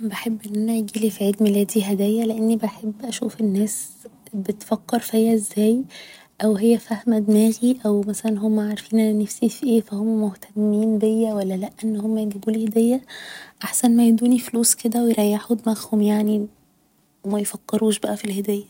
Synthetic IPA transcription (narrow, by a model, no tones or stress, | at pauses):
beħebːʔenːænæjɡiːlifʕeːd̪melæːd̪iɦæd̪æːjːæleʔenːibeħebːʔæʃṵːfenːæːsbet̪fækːɑɾˤfhejːæʔezːæːj | ʔæwhejːæfæhmæd̪mæːɣiʔæwmæsælænɦomːæʕaɾˤfiːnʔænænefsifiʔeːfæhomːæmoht̪ʰæmːiːnd̪ejːæwælːælæʔʔenːhomːæjeɡ̪æɡuːlihd̪æjːæʔaħsænmæjed̪uːnifluːsked̪æwejɾˤɑjːaħod̪mæxhomjaʕni | mæjfækːeɾuːʃbæʔæfilhæd̪æːjːæ